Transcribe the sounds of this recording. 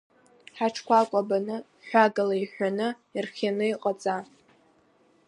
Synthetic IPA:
ħaʈ͡ʂʰkʷakʷʼabanɨ | ħʷaɡalajħʷᶣanɨ | irχʲanɨiqʼat͡sʼa

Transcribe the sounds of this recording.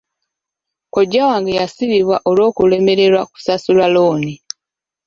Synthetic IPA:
koɟːawaːŋɡejasiβiβwaʔo̞lo̞ːkule̞me̞ɾe̞ɾwaku̥sasulaloːni

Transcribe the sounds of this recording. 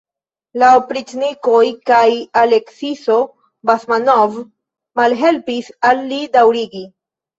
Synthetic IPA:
laopɾitniko̞jkajaleksiso̞ | basmanov | malɦe̞lpisalːidawɾiɡi

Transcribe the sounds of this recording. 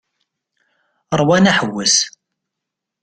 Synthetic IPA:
ɾˤwænæħəwːəs

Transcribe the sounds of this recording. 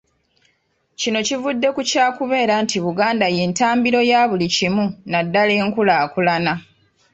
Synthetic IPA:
cino̞civudːe̞kucaːkuβe̞ːɾantiβuɡaːndaje̞ːntaːmbiɾo̞jaːβulicimunadːale̞ːŋkulaːkulana

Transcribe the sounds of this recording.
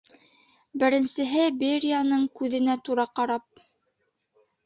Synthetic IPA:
bɘ̆ɾɘ̆nsɘ̆ɦɘbeɾʲijanɤɴkʉðɘ̆næt̪uɾɑqɑɾɑp̚

